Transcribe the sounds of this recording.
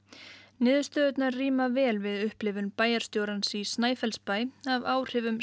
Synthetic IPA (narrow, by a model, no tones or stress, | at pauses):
nɪːðʏst̪œːðʏt̪naɾriːmavɛːlvɪðʏhplɪvʏnpaːjaɾst̪joːwɾansisnaːjfɛlspaːjavaːwr̥ɪvʏm